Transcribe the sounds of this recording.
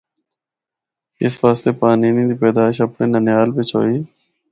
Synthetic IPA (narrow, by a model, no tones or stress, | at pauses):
ɪ̰sfaːslepaːniːnĩd̪ipeːd̪aːʃɐpneːnɐnjaːlbet͡ʃʰo̰ːiː